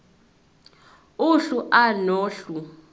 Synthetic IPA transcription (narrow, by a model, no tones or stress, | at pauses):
uɬuʔanoːɬu